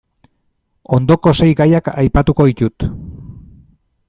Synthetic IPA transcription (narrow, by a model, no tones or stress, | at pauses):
o̞nd̪o̞ko̞se̞jɡajakajpat̪uko̞ðic̪ut̪